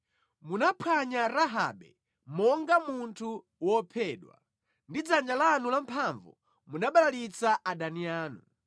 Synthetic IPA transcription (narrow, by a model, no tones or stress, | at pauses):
munapʰwaɲaɾaɦa̰ɓɛ̰ | mɔŋɡamuntʰu | wɔpʰɛːɗwa̰ | ndid͡zand͡ʒalanulam̩pʰaɱvṵ | munaɓalalit͡saʔaɗaniaːnṵ